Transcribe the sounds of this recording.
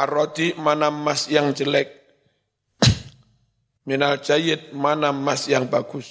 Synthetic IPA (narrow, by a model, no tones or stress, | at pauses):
aɾɔt̪imanamːasjaŋd͡ʒəlɛk̚ | minald͡ʒajət̪̚manamːasjaŋbaɡ̥ʊs